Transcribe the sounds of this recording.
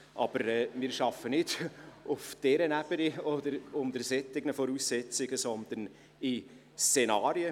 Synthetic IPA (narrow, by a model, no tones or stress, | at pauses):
ʔɑb̥əɾɛːmɪːɾʃɑfənɪd̥ʊfd̥ɛɾənæb̥əniɔd̪əɾʊnd̪əɾsɛt͡sɪɡnəfɔɾuːsːɛt͡sɪɡəsɔnd̪̥ən | ɪ | st͡senɑːɾjə